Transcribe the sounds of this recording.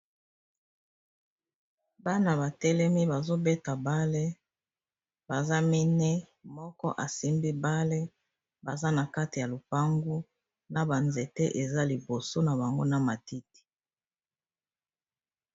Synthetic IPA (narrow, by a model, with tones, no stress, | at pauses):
ba˦na˨ba˨tɛ˦lɛ˦mi˦ba˨zo˦be˦ta˨ba˦le˦ | ba˨za˦mi˦nɛ˦ | mɔ˦kɔ˦ʔa˨si˦mbi˦ba˦le˦ | ba˨za˦na˨ka˦ti˨ja˨lu˨pa˦ŋɡu˦ | na˨ba˨nze˨tḛ˦ʔe˨za˦li˨bo˨so˦na˨ba˨ŋɡo˦na˨ma˨ti˦ti̥˨